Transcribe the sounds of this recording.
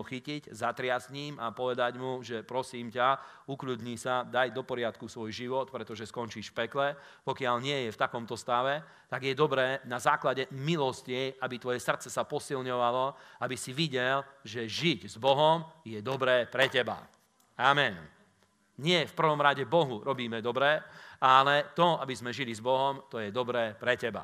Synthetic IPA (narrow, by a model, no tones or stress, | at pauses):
uxiciɟzat̪ɾɪasɲiːmapɔʋɛd̪aɟmuʒɛpɾɔsiːmca | ukluːd̪ɲisad̪ajd̪ɔpɔɾɪat̪kusʋɔjʒiʋɔt̪pɾɛt̪ɔʒɛskɔnt͡ʃiʃfpɛklɛ | pɔkɪaʎɲɪɛjɛft̪akɔmt̪ɔst̪aʋɛ | t̪aɡjɛd̪ɔbɾɛːnazaːklaɟɛmilɔsciabit̪ʋɔjɛsr̩t̪t͡sɛsapɔsilɲɔʋalɔabisiʋiɟɛlʒɛʒiɟzbɔɦɔmjɛd̪ɔbɾɛːpɾɛcɛba̰ | amɛn | ɲɪɛfpr̩ʋɔmɾaɟɛbɔɦuɾɔbiːmɛd̪ɔbɾɛːalɛt̪ɔabizmɛʒilizbɔɦɔmt̪ɔjɛd̪ɔbɾɛːpɾɛcɛba̰